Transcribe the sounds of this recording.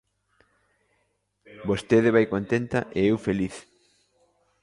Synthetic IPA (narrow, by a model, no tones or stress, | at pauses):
bost̪eðɪβajkont̪ent̪ɐʔeewfeliθ